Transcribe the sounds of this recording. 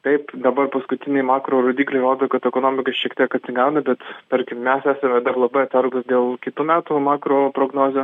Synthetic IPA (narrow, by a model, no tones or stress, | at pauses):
t̪ɐɪpd̪ɐbɐrpɐskʊt̪ʲɪnʲɛɪmɑːkɾoːɾoːd̪ʲiːklʲɐɪɾoːd̪oːkɐt̪ɛkoːnoːmʲɪkɐsʃʲiɛkt̪ʲiɛkɐt̪ʲsʲɪŋɡɑʊnɐbʲɛt̪t̪ɐɾʲkʲɪmmʲɛsæːsʲɛmʲɛd̪ɐrlˠɐbɐɪɐt̪sʲɐɾɡʊsd̪ʲeːlˠkʲɪt̪uːmʲæːt̪ʊmɑːkɾoːpɾoːɡnoːzʲoː